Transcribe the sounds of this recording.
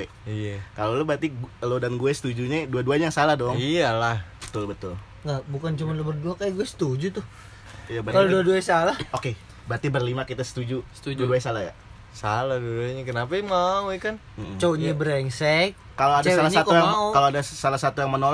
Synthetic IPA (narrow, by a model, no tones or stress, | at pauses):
e | ijakalolobat̪iɡlodanɡuɛsə̥t̪ud͡ʒuɲaduaduaɲajaŋsalahdɔŋijalahbət̪ʊlbət̪ʊl | ŋɡabukant͡ʃumanlubərduakajaɡuɛsə̥t̪ud͡ʒut̪ʊh | jabkaloduaduaɲsalahoke | bat̪ibərlimakit̪asə̥t̪ud͡ʒusə̥t̪uduaduasalahja̰ | salahduaduaɲakənapamauɛkan | m̩m̩t͡ʃoɲabəɾɛŋsɛk̚ːaloadasalaatk̪ujaŋmakaloadasalahsat̪ujaŋmənol